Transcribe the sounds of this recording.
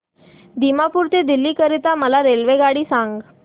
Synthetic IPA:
d̪imapuːɾt̪ed̪ilːiːkəɾit̪aməlaɾelʋeɡaɽiːsaŋɡ

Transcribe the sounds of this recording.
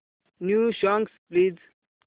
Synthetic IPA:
njuʃɔŋɡspliːz

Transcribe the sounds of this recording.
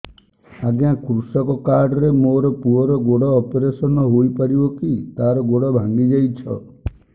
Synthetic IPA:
aɡjãkɾusɔkɔkaɾɖɔɾemoɾɔpuɔɾɔɡoɽɔːpeɾesɔnɔɦojpaɾibɔkit̪aɾɔɡoɽɔbʱãŋɡid͡ʒajt͡ʃʰɔ̰

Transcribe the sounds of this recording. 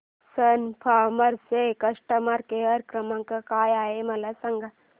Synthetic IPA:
sɐnpʰaːmɐɾsekɐʂʈɐmɐɾkeɐɾkɾɐmɐŋkɐkaːjaːɦemɐlɐsɐŋɡʱɐ

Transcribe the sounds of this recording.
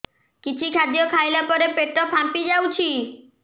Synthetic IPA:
kit͡ʃʰikʰad̪ijɔkʰajlapɔɾepeʈɔpʰapid͡ʒawt͡ʃʰi

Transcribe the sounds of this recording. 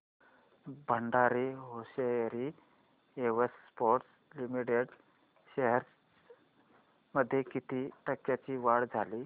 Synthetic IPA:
bʱəɳɖaɾiɦoɕeɾi | eʋəsːpoɾʈs | limiʈeɽ | ɕeɦəɾ | məd̪ʱːjekit̪ʰiːʈəkjat͡ɕiːʋaɽd͡zʱali

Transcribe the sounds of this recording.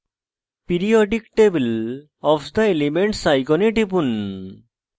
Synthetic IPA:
piɾiɔɖikʈebil | ɔfd̪aelimeɳʈsajkɔneʈip̬un

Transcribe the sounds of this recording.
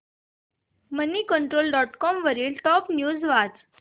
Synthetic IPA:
məniːkəɳʈɾolɖɔʈkɔmʋəɾiːlʈɔpnjuːd͡zʋad͡z

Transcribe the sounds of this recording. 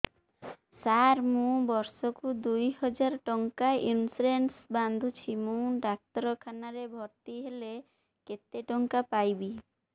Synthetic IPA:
saɾmũbɔɾsokud̪ujɦɔd͡ʑaɾʈɔŋkaʔinsuɾensband̪ʱut͡ɕʰimũɖak̚t̪ɔɾokʰanaɾebʱɔɾt̪iɦele | ket̪ːeʈɔŋkapajbi

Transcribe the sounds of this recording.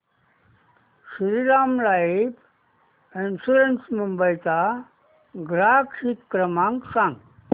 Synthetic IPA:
siɾiɾamlaip | ensuɾensmumbəjt͡sa | ɡɾakʂit̪kɾəmãŋksãŋɡ

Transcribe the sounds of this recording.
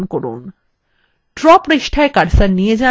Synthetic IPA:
nkɔɾṵn | ʈɾɔpɾiʃʈʰaekaɖsaɾnied͡ʑa

